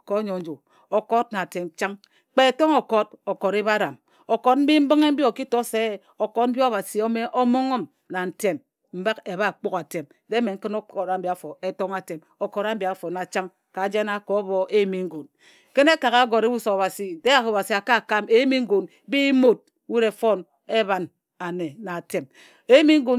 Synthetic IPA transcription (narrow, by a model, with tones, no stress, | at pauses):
ko˨˦ɲo˨n̩˦d͡ʒo˨ | o˨ko˦t̚na˨te˨mt͡ʃa˦ŋ | k͡pe˦e˨to˦ŋo˨ko˦t̚o˨ko˨ɾe˦βa˦ɾa˨m | o˨ko˦t̚m̩˦bi˦m̩˦bɨ˦ŋe˦m̩˦bi˦o˨ki˦to˦se˦ | o˨ko˦t̚m̩˦bjo˦a˦˨βa˨si˨o˦me˦ʔo˦mo˦ŋo˦m | na˨n̩˨te˨m | m̩˦ba˦ke˨ba˦˨k͡po˦ka˨te˨m | de˦me˨ŋ̩˦kɨ˦no˦˨ɾa˨m̩˦bi˨a˨˦fo˨e˦to˦ŋa˨te˨m | o˨ko˨ɾa˦m̩˦bi˨a˨˦fo˨na˨t͡ʃa˦ŋ | ka˨˦d͡ʒe˦na˦˨kɔ˨˦βo˦ʔe˦mi˦ŋ̩˦ɡo˨n | ke˦ne˦ka˨ka˦ɡo˨ɾe˦bu˦so˨a˨a˨si˨de˦ja˨ko˨ba˨si˨a˨ka˦˨ka˦˨me˨˦mi˦ŋ̩˦ɡo˨n˦bi˦mo˦t̚wi˦ɾe˨fo˦n | e˦βa˨n | a˨ne˨na˨te˨m | e˦mi˦ŋ̩˦ɡo˨